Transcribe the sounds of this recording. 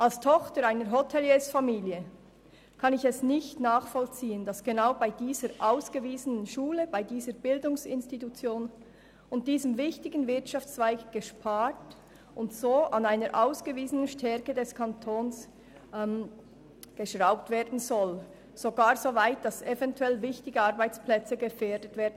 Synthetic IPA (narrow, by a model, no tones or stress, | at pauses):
ʔalstʰɔχtəɾaɪnəɾɦotʰɛljɛsfamiːljə | kʰɑnɪçɛsnɪçtnaːχfɔlt͡siːəndɑsɡ̥enaʊbaɪdiːzəɾʔaʊsɡ̥əviːzənənʃuːləb̥aɪdiːzəɾbɪldʊŋsɪnstitut͡sjoːn | ʊnt̚d̥iːzəmvɪçtɪɡən̩vɪɐtʃɑft͡sv̥ɛɪkɡ̥əʃpʰaːt | ʔʊntsoːʔanaɪnəɾʔaʊsɡ̥əviːzənənʃtʰɛɾkədɛskʰɑntʰoːns | m | ɡ̥əʃʁaʊp̚tv̥eːɐdn̩zɔl | z̥oɡaːɾzovaɪt̚d̥ɑsɛvɛntuɛlvɪçtɪɡəɑɾbaɪt͡splɛt͡səɡəfɛːɾdətv̥eːɐdn̩